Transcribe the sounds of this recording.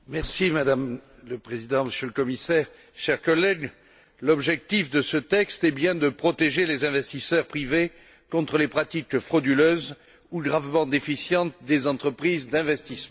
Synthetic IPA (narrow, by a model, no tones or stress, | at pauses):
mɛʁsimad̪am | ləpχezid̪ɑ̃məsjøləkɔmisɛʁ | ʃɛʁkɔlɛɡ | lɔbʒɛk̚t̪ifd̪əsət̪ɛkst̪ɛbjɛ̃d̪əpχɔt̪eʒelezɛ̃vɛst̪isœʁpχive | kɔ̃t̪χəlepχat̪ikfχɔd̪yløz | uɡʁavmɑ̃d̪efisjɑ̃t̪d̪ezɑ̃t̪χəpχizd̪ɛ̃vɛst̪ismɑ̃